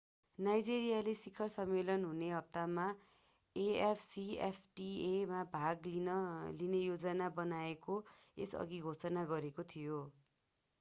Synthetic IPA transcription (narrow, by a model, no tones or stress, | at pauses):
najd͡zeɾijalesikʰʌrsʌmːelʌnɦuneɦʌp̚t̪ama | eepʰsiḛpʰʈiemabʱaɡilinejod͡zʌnabʌnaekoḛsʌ̰ɡiɡʱot͡sʌnaɡʌɾekot̪ʰijo